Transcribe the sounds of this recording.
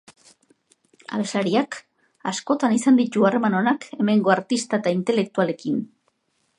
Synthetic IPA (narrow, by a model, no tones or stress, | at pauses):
a̰βe̞slaɾiak | asko̞t̪anisand̪it̪uare̞mano̞nake̞me̞ŋɡo̞aɾt̪ist̪aet̪aint̪e̞le̞k̚t̪uale̞kin